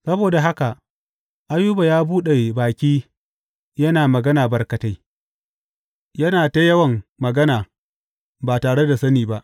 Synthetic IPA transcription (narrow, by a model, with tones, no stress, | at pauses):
sɐ˦boː˨da˨ɦa˦ka˨ | ʔa˦juː˦ba˨jaː˦buː˦ɗe˨baː˨kʲiː˦ | jɐ˦naː˨mɐ˨ɡɐ˦naː˨bɐ˨rkɐ˨ta˦j | jɐ˦naː˨ta˦jɐ˦wɐ˨ŋmɐ˨ɡɐ˦naː˨ | baː˨taː˨ɽe˦da˨sɐ˦niː˨ba˦ʔ